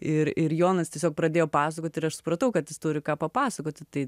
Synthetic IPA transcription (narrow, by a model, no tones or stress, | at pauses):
ɪɾɪɾjoːnɐst̪ʲiɛsʲoːk̚pɾɐd̪ʲeːjoːpɑːsɐkoːt̪ʲɪɾɐʃsʊ̥pɾɐt̪ɐʊkɐt̪jɪst̪uːɾʲɪkɑːpɐpɑːsɐkoːt̪ʲɪt̪ɐɪ